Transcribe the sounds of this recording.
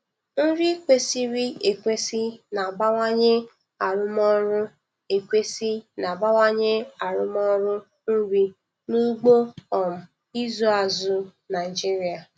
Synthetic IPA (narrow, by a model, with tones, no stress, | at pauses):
n̩˦ɾi˦kʷe˦si˦ɾi˦e˨kʷe˦si˦na˨ba˦ŋʷa˦ɲe˦ | a˨ɾʊ˦m˦ɔ˦ɾʊ˦ | e˨kʷe˦si˦na˨ba˦ŋa˦ɲe˦a˨ɾʊ˦m˦ɔ˦ɾʊ˦ | n̩˦ɾi˦ | nu˦ɡ͡bo˦ɔ˨m̩˨ | i˦zu˦˨a˨zʊ˦na˨ɪ˨d͡ʒi˦ɾi˦a˨